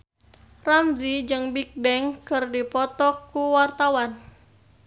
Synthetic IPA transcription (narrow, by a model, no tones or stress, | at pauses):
ramzid͡ʒɨŋbik̚bɛŋkɨrdipɔt̪ɔkːuwart̪awan